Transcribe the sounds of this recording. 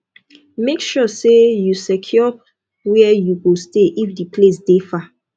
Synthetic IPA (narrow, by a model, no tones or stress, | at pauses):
mekʃɔsejusɛkʰjɔ | wɛɛjuɡosteʔifdipʰlesd̥efa